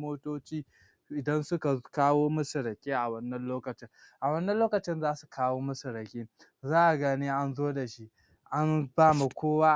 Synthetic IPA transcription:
moː˦toː˦t͡ʃiː˦ | ʔɪ˨dɐ˦nsʊ˦ka˨kaː˦woː˦mʊ˦sʊ˨ɾɐ˨kʲeː˦ʔa˨wɐ˦nːɐ˦nloː˦kɐ˨t͡ʃɪ˦ŋʔa˨wɐ˦nːɐ˦loː˦kɐ˨t͡ʃɪ˦nzaː˦su̥˨kʰaː˦woː˦mɐ˦su˨ɾɐ˨kʲe˦ | zaː˦ʔa˨ɡɐ˦ni˦ʔa˦nzoː˦da˨ʃi˦ʔ | ʔa˦nbaː˦ma˨kʷoː˦waː˦

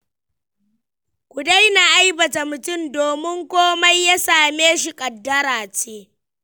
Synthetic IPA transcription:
kʷʊ˨da˦jna˨ʔa˦jbɐ˨ta˨mʊ˨tʊ˦mdoː˨mɪ˦ŋkʷoː˦ma˦jːa˦saː˨meː˦ʃi˨kʼɐ˨dːɐ˦ɾaː˨t͡ʃeː˦

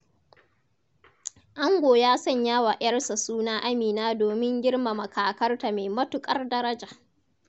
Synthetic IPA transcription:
ʔa˦ŋɡʷoː˨jaː˦sɐ˦˨ɲjaː˦wa˨ʔj̰ɐ˦rsa˨suː˦naː˦ʔa˦miː˨naː˦doː˨mɪ˦ŋɡʲɪ˦rma˨mɐ˨kʰaː˨kɐ˦rta˨meː˨mɐ˦tʊ˨kʼɐ˦rdɐ˦ɾɐ˦d͡ʒa˨ʔ

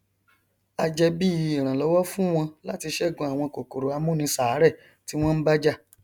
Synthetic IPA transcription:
a˧d͡ʒɛ˧bi˦˨˧ɾ̃ã˨lɔ˨˦wɔ˦fũ˦w̃ɔ̃˧la˦ti˧ʃɛ˦˨ɡɔ̃˧˨a˨w̃ɔ̃˧ko˨ko˨ɾo˨a˧mũ˦nĩ˧saː˨˦ɾɛ˦˨ | ti˨˦w̃ɔ̃˦n̩˦ba˦d͡ʒa˦

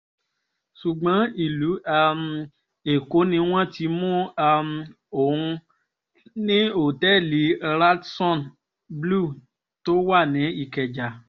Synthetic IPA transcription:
ʃu˨ɡ͡bã˨˦i˨lu˨˦a˧m˧ | e˨ko˨˦nĩ˧w̃ɔ̃˦ti˧˦mũ˦a˧m˧ | o˨ũ˧ | nĩ˦o˨tɛ˦˨li˨˦ɾa˦tsɔ̃˦˨n | blu˦˨ | to˦wa˦˨nĩ˨˦i˦˨kɛ˨d͡ʒa˨

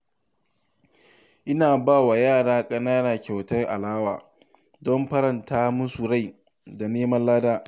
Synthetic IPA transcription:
ʔɪ˦naː˨baː˦˨wa˨jaː˦˨ɽaː˦kʼɐ˦naː˦naː˨kʲa˨wtɐ˦rʔa̰˨laː˦waː˨ | dɔ˦mɸɐ˦ɾɐ˨ntaː˦mʊ˦su˨ɾa˦˨j | da˨neː˦mɐ˦nlaː˦daː˦

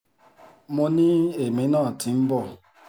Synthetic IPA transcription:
mʊ˦ni˦e˨me˨˦nɔ˦˨ti˨m̩˦bɔ˦˨

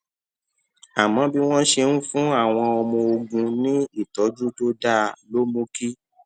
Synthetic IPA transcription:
a˨mɔ̃˨˦bi˦w̃ɔ̃˦ʃe˧ñ̩˦fũ˦a˦˨w̃ɔ̃˧ɔ˧mɔ̃˧o˧ɡũ˧nĩ˦i˦˨tɔ˨˦d͡ʒu˦to˦da˦lo˦mũ˦ki˦

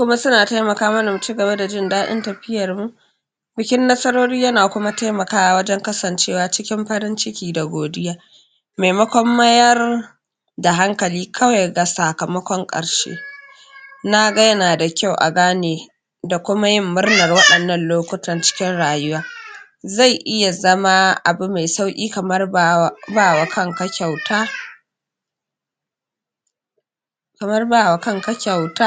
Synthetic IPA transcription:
kʷʊ˦ma˦sʊ˦naː˨ta˦jmɐ˨kaː˦mɐ˦na˨mu˨t͡ʃi˦ɡɐ˨βa˦da˨d͡ʒɪ˦ndaː˦ɗɪ̰˦ntɐ˨ɸɪ˦jɐ˨rmu˨ | bɪ˨kʲɪ˦nːɐ˦sɐ˦ɾoː˦ɾiː˦jɐ˦naː˨kʷʊ˦ma˦ta˦jmɐ˨kaː˦wa˨wɐ˦d͡ʒɛ˦ŋkɐ˦sɐ˨nt͡ʃeː˦waː˨t͡ʃɪ˦kʲɪ˦mɸɐ˦ɾɪ˦nt͡ʃɪ˦kʲiː˨da˨ɡʷoː˨dɪ˦jaː˦ | ma˨jmɐ˦kʷɔ˦mːɐ˦jɐ˦r | da˨ɦa˦ŋkɐ˨liː˦kʰɐ˦wa˨jɡa˨saː˨kɐ˨mɐ˦kʷɔ˦ŋkʼɐ̰˨ɽʃḛː˦ | na˦ɡa˦jɐ˦naː˨da˨kʲa˦˨wʔa̰˨ɡaː˦neː˨ | da˨kʷʊ˦ma˦jɪ˦mːʊ˦rnɐ˨rwɐ˦ɗɐ˨nːɐ˦nloː˦kʷʊ˦tɐ˦˨nt͡ʃɪ̥˦kʲɪ˦nɽaː˨jʊ˦waː˦ | za˦˨jʔɪ˦ja˨zɐ˦ma˦ʔa̰˨bu˦ma˨jsa˦wkʲʼiː˦kɐ˨m˦rbaː˦˨wa˨kɐ˦ŋkɐ˦kʲa˨wtaː˦ | kɐ˨mɐ˦rba˦˨wa˨kɐ˦˨ŋkɐ˦kʲa˨wtaː˦

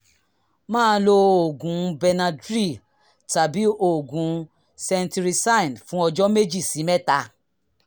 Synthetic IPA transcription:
mãː˦˨˦lo˧o˨ɡũ˨˦bɛ˧nã˧dɾi˦˨ | ta˨bi˨˦o˨ɡũ˨˦ | sɛ˧nti˧ɾi˧sa˦˨nfũ˨˦ɔ˧d͡ʒɔ˦me˦d͡ʒi˦˨si˨˦mɛ˦ta˧

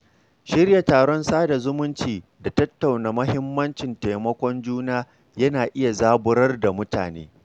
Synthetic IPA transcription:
ʃɪ˦rja˨taː˨ɽɔ˦nsaː˦da˨zʊ˦mʊ˦nt͡ʃiː˨ | da˨tɐ˦tːa˨wnaː˨mɐ˦hɪ˦mːɐ˦nt͡ʃɪ˨nte˨mɐ˦kʷɔ˦nd͡ʒuː˦naː˦ | jɐ˦naː˨ʔɪ˦ja˨zaː˦bʊ˦ɾɐ˦rda˨mʊ˦ta̰ː˨nḛː˦

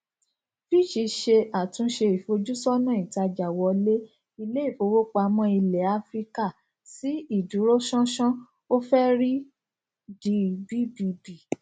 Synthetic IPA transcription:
fi˦˨ʃi˧˦ʃe˧a˨tũ˧˦ʃe˧i˨fo˧d͡ʒu˦sɔ˦nã˦˨i˨ta˧d͡ʒa˨wɔ˧le˦ | i˧le˦i˦˨fo˨˧˦wo˦k͡pa˧a˧mɔ̃˧i˧lɛ˨a˧˦fɾi˦ka˦˨ | si˦i˦˨du˨˦ɾo˦ʃɔ̃˦ʃɔ̃˦ | o˦fɛ˦ɾi˦ | di˧bi˦bi˧bi˨

